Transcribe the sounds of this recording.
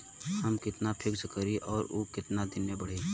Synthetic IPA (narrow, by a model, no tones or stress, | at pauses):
hɐmkɪt̪napʰɪkskəɾiʔɔːɾuːkɪt̪nad̪ɪnːebəɽ̤iː